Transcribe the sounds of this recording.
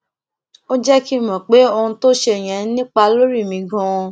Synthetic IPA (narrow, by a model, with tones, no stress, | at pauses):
o˦d͡ʒɛ˦ki˦mɔ̃˨k͡pe˨˦o˧hũ˧to˦ʃe˧˨j̃ɛ̃˨˦nĩ˦k͡pa˧lo˦ɾi˦˨mĩ˨˧ɡɔ̃˧ɔ̃˧